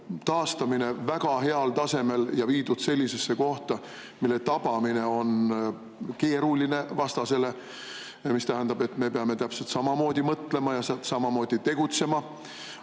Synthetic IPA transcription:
t̪ɑːst̪ɑmine̞væɡ̥ɑɦe̞ɑlt̪ɑse̞me̞ljɑviːd̪ud̪̥se̞lʲːise̞sːe̞ko̞ht̪ɑ | milːe̞t̪ɑb̥ɑmine̞o̞n | ke̞ːɾuline̞vɑst̪ɑse̞le̞ | mist̪æɦænd̪ɑbe̞t̪ːˑme̞peɑme̞t̪æpse̞lt̪sɑmɑmo̞ːd̪̥ʲimɤt̪ːˑle̞mɑjɑst̪sɑmɑmo̞ːd̪̥it̪e̞ɡ̥ut̪se̞mɑ

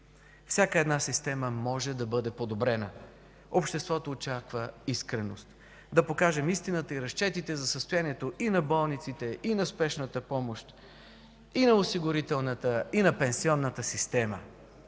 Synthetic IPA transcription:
fsʲakəɛd̪nasist̪ɛməmɔʒɛd̪ɐbɤd̪ɛpod̪obɾɛnə | opʃt̪ɛst̪vɔt̪oːt͡ʃakvəiskɾɛnost̪ | d̪ɐpokaʒɛmist̪inət̪əiɾɐst͡ʃɛt̪it̪ɛzɐsəst̪ojaniɛt̪oʔinɐbɔlˠnit̪sit̪ɛʔinɐspɛʃnət̪əpɔmoʃt̪ | inɐosiɡʊɾit̪ɛlˠnət̪əinɐpɛnsiɔnːət̪əsist̪ɛmə

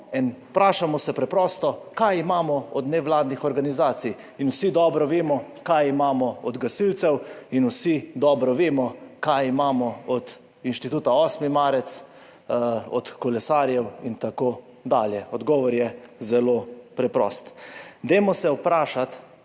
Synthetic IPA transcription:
inpɾaːʃamɔsɛpɾɛpɾɔːst̪ɔkajimaːmɔɔd̪nɛʋlaːd̪nixɔɾɡanizaːt̪sij | inwsid̪ɔːbɾɔʋeːmɔkajimaːmɔɔd̪ɡasilt̪sɛwinusid̪ɔːbɾɔʋeːmɔkajimaːmɔɔd̪ | inʃt̪it̪uːt̪aɔːsmimaːɾɛt̪s | ɔ̰t̪kɔlɛsaɾjɛwint̪akoː | d̪aːljɛɔd̪ɡɔːʋɔɾjɛzɛlopɾɛpɾɔ̰ːst̪d̪emɔsɛwpɾaːʃat̪

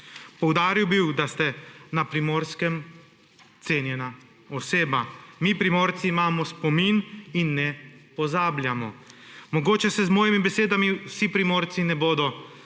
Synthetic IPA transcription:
pɔwd̪aːɾiwbiwd̪ast̪ɛnapɾimoːɾskɛm | t̪seːnjɛna | ɔseːbamipɾimoːɾt̪siːmaːmɔspɔmininːɛpɔzaːbljamɔ̰mɔɡoːt͡ʃɛsɛzmɔːjimibɛseːd̪amiwsipɾimoːɾt̪sinɛboːd̪ɔ

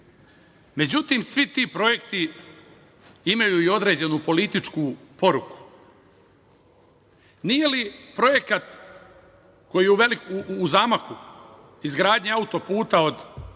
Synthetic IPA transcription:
me̞d͡ʑut̪iːmsʋit̪iːpɾo̞je̞kt̪i | imajuio̞d̪ɾe̞ːd͡ʑe̞nupo̞lit̪it͡ʃkupo̞ɾuku̥ | nije̞lipɾo̞je̞kat̪ | ko̞jijeuʋelikːzaːmaxu | izɡɾaːd̪ɲeaut̪o̞puːt̪aod̪

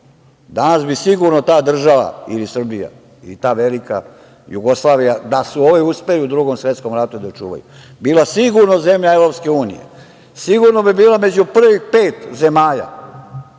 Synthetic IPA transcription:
d̪anasbisiɡuɾnot̪aːd̪r̩ʒaʋa̰ḭlisr̩bija̰ | ḭlit̪aːʋelika̰ | juɡoslˠaːʋijad̪asuo̞ʋiuspe̞liud̪ɾuːɡomsʋje̞t̪sko̞mɾat̪ud̪at͡ʃṵːʋa̰jṵ | biːlasiɡuɾnoze̞mʎaevɾo̞pske̞uːnḭjḛ | siɡuɾno̞bibiːlame̞d͡ʑupr̩ʋipeːt̪ze̞maːʎa̰

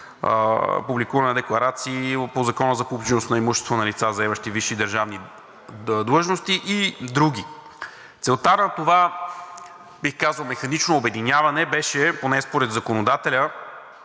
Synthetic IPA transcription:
publikuvɐnɛd̪ɛklˠɐɾat̪siːpozɐkɔnəzɐpupt͡ʃɛnost̪nɐimuʃɛst̪vonɐlit̪sazɐɛmɐʃt̪iviʃid̪əɾʒavni | d̪lˠɤʒnost̪iʔid̪ɾuɡ̟i | t̪sɛlˠt̪anɐt̪ova | bixkazəlˠmɛxɐnit͡ʃnoːbɛd̪inʲjavɐnɛbɛʃɛponɛspoɾɛd̪zɐkonod̪at̪ɛlʲə

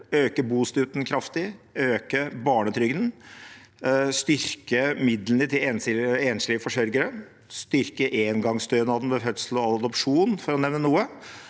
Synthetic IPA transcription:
øːkəbuːst̪ʉːt̪n̩kʰɾɑft̪ɪøːkəbɑːɳət̪ʰɾʏɡd̪n̩ | st̪ʏɾkəmɪd̪ln̩ət̪ʰɪeːnɪeːnʂlɪəfɔʂœɾɡəɾə | st̪ʏɾkəʔeːnɡɑŋst̪øːnɑd̪n̩ʋɛfœt̪slɔɑd̪ɔpʂuːnfɔɾɔnɛʋnənuːə

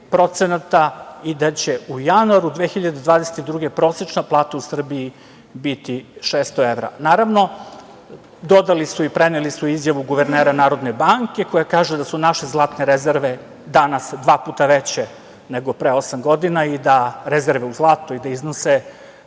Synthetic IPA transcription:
pɾo̞t̪senat̪aid̪at͡ɕe̞ujanuaɾud̪ʋeːxiʎad̪ed̪ʋaːd̪eset̪id̪ɾuːɡepɾo̞set͡ʃnaplˠaːt̪ausr̩bii | bit̪iʃeːst̪oeʋɾa̰naːɾaʋno̞ | d̪o̞d̪alisuipɾenelisuizjaʋuɡuʋe̞ɾneːɾanaːɾod̪nebaŋke̞kojakaːʒed̪asunaʃezlˠaːt̪neɾezeɾʋe | d̪anasd̪ʋaːpuːt̪aʋet͡ɕe | neɡo̞pɾeo̞samɡo̞d̪inaid̪aɾezeɾʋeuzlˠaːt̪oid̪aiznose

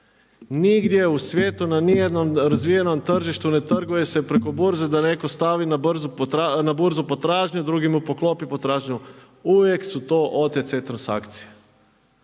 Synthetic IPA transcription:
niɡd̪jeusʋʲjeːt̪unanijed̪nomɾazʋije̞nomt̪r̩ʒiʃt̪une̞t̪r̩ɡuje̞se̞pɾeko̞buɾzed̪ane̞ko̞st̪aʋinabrzunabuɾzupo̞t̪ɾaːʒɲud̪ɾuɡimupo̞klˠo̞pipot̪ɾaːʒɲu | uʋje̞ksut̪oʔot̪et̪set̪ɾansa̰kt̪sije

